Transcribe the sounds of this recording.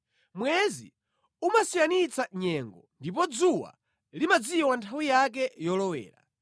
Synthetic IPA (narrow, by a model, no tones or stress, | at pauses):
mwɛzḭ | umasijanit͡saɲɛŋɡɔndip̬ɔd͡zuwa̰ | limad͡ziwantʰawijak̬ɛjɔlɔwɛ̰ːɾa̰